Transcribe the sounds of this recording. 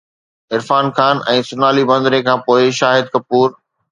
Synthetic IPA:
ɪɾfaːnxaːnʔɛ̃ːsʊnaːlibɐ̃nd̪ɾekʰãːpoːɪʃaːɦɪd̪̚kɐpːuːɾ

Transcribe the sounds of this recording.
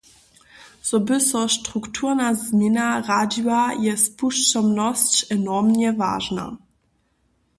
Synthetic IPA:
z̥ɔbɪsɔʃtʁuktʰuʁnazmɛnaʁad͡ʑiwajɛspuʃt͡ʃɔmnɔst͡ɕɛnɔʁmɲɛva̰ːʒna̰

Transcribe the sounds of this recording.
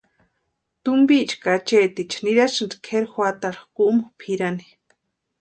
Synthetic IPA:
t̪umbit͡ʃkat͡ʃet̪it͡ʃniɾaʃɨnd̪kʰeɾxwat̪aɾxkuʔmupʰiɾani̥

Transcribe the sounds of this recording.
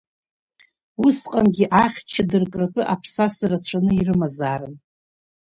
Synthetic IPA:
usqʼanɡʲiʔaχʲt͡ʃʰadɨrkʼrapʰʼɨʔapʰsasarat͡ɕʷʰanɨirɨmazaːɾɨn

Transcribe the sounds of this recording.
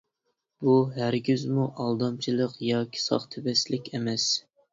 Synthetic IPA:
b̥uɦæɾɡʲyzmuʔɑlˠd̪ɑmt͡ʃʰilˠəqjɑːkʲʰi̥sɑ̰χt̪ʰɪbɛslɪkʲʰemɛs

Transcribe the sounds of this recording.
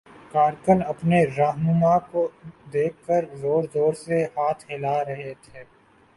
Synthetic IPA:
kaːɾkənɐpneɾaːɦnʊmakod̪eːkʰːəɾzoːɾzoːɾsehaːt̪ʰheːlaɾɐɦet̪ʰeː

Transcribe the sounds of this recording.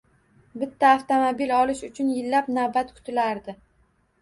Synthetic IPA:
bɪt̪ʰːaːft̪omobilɒlɪʃʊt͡ʃʰʊnjɪlːapnawbat̪kʰʊ̥t̪ʰɪlaɾd̪ɪ

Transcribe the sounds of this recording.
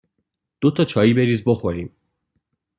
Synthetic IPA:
d̪̥o̞t̪ʰɒt͡ʃʰɒːjiːbe̞ɾiːzbo̞xoɾiːm

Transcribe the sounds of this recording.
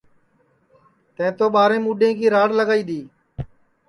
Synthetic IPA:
t̪ə̃ɪ̃t̪oːɓaːɾẽːmuːɖẽːkiːɾaːɽləɡaːiːd̪iː

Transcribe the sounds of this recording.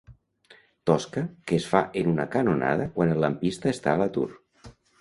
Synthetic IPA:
t̪ɔskəkeːsfaʔenunəkanona̰ðəkwanəlːampist̪əest̪a̰ələt̪ṵr

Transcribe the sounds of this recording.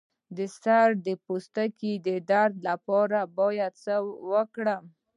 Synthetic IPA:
d̪əsaɾd̪əpost̪akid̪əd̪aɾd̪lapɑɾabɑjad̪̚səwəkɽəm

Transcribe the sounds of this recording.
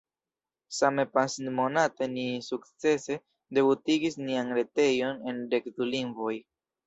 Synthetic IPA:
same̞pansinmo̞nate̞nisukt͡se̞se̞ | de̞butiɡisnianɾe̞te̞jo̞ne̞nde̞kduliŋɡvo̞j

